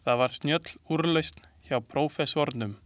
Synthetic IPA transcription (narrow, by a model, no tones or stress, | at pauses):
θaðvaɾ̥st̪njœt̪l̥uɾlejst̪n̥ | çawpʰɾoːwfɛsɔɾt̪nʏm